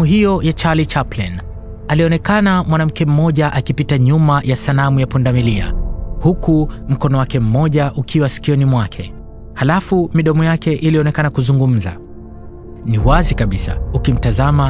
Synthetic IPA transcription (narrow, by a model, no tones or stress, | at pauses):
uɦijɔjat͡ʃalit͡ʃaplɛ̰n | aliɔnɛkanamwanam̩kɛm̩mɔʄaʔakipitaɲumajasalamujapundamilia̰hukum̩kɔnɔwakɛm̩mɔʄaʔukʰiwasi̥kiɔnimwakʰɛ | halafumiɗɔmɔjakɛʔiliɔnɛkanakuzuŋɡum̩za̰ | niwazikaɓisa̰ukim̩tazama